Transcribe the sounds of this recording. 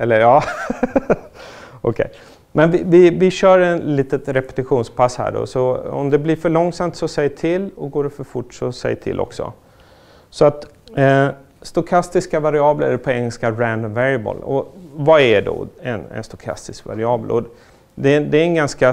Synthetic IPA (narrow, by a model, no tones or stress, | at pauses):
ɛlːəɾjɑː | ɔkʰɛ̰j | mɛnvɪvɪvɪɕœːɾɛnliːt̪ət̪ɾɛpɛ̥t̪ɪɧuːnspʰashæ̰ːɖɔ̰sɔɔ̰md̪ɛblɪɾfœɭɔŋːsamt̪sɔsɛjːʈʰɪlːɔɡoːɖɛfœɾfʊʈːsɔsɛ̰jːʈʰɪ̰lʔɔ̰ksɔ̰ | sɔat̪ː | st̪ʊkʰast̪ɪskavaɾɪɑːblə̰pʰɔɛŋːəlskaɾænvɛɾɪəbə̰lɔvaɛɖɔ̰ɛnɛ̰nst̪ʊkʰa̰st̪ɪskva̰ɾɪɑːbəlʔɔ | d̪ɛd̪ɛːɾɛnɡanska